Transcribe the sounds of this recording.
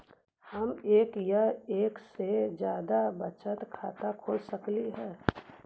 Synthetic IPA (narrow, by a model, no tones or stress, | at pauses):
həmeːkjəeːksed͡ʒjaːd̪abət͡ʃət̪kʰaːt̪akʰoːlsəkliɦɛː